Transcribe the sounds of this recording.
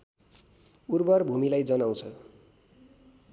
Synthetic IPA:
urbʌrbʱumilajd͡zʌnaw̃t͡sʰʌ

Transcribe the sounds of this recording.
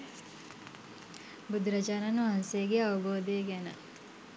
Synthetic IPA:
bud̪ɾɐd͡ʒaːnɐnʋɐɦɐnsejəɡeɐʋɐboːd̪eɡænə̰

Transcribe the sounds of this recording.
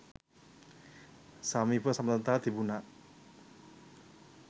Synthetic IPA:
samibəsamt̪ənt̪ad̪̥ibunaʔ

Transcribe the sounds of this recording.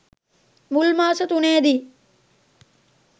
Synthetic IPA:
mulmaːsət̪uneːd̪iː

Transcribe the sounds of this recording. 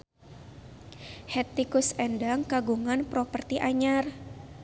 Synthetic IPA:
hɛt̪ikusɛndaŋkaɡuŋanpɾɔpərt̪iʔaɲar

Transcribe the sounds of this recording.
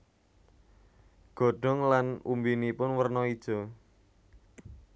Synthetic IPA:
ɡ̥ɔ̤ɖ̥ɔ̤ŋlanumbinipʊnwərnɔid̥ʒ̥ɔ̤

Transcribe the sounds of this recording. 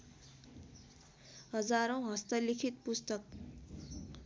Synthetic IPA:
ɦʌd͡zaɾõw̃ɦʌst̪ʌlikʰit̪̚pust̪ʌk̚

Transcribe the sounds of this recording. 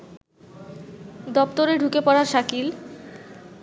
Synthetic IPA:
d̪ɔpt̪oɾeɖʱukepɔɽaɾʃakil

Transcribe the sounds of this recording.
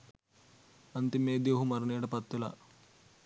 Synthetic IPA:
ɐnt̪imeːd̪juːɦumɐɾɐneːɽɐpɐt̪ːulɐ̰

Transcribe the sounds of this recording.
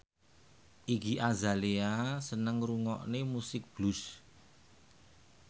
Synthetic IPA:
ʔiɡiʔazaleasənəŋruŋɔ̰ʔnemusɪk̚b̥lus

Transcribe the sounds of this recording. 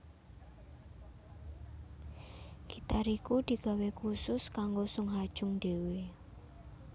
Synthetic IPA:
ɡ̥it̪aɾikud̪̥i̤ɡ̥a̤wekusʊskaŋɡosʊŋɦad̥ʒ̥ʊŋɖ̪̥e̤we

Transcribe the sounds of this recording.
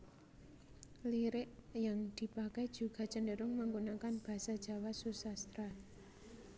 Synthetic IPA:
liɾɪʔjaŋd̪̥i̤pakɛj̥d͡ʒ̥ṳɡ̥a̤t͡ʃəndəɾʊŋməŋɡonakanb̥a̤sad̥ʒ̥ä̤wasusast̪ɾa

